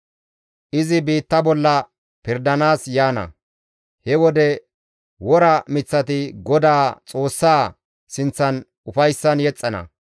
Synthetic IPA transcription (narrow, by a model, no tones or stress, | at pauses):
ʔɪzɪbiːt̪ːɐbɔlːɐ | pɪɾd̪ɐnaːsjaːnɐ̰ | hɛwɔd̪ɛ | wɔɾɐmɪt͡sːɐt̪ɪɡɔd̪aːt͡sʼo̞ːsːaː | sɪnt͡sːɐn | ʊfɐjsːɐnjɛt͡sʼːɐnɐ̰